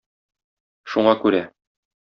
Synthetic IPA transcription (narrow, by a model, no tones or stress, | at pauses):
ʃuɴɑkʉɾæ